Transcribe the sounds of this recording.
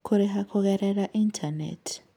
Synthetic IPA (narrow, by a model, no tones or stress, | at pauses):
kʰuɾixakʰɔk̬ɛɾɛlaʔintʰanḛtʰi̥